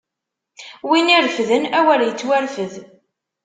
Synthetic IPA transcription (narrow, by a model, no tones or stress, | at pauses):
winiɾfðənæwæɾjət͡sːwæɾfəð